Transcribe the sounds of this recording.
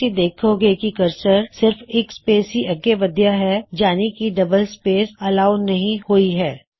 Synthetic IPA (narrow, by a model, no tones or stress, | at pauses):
id̪eːkʰoɡekikɐɾsəɾsɪɾfeːkspeːsiʔɐɡeʋɐd̪jaɦɛd͡ʒaːnikiɖɐbəlspeːsɐlaːʊnɐɦĩhoiɦɛː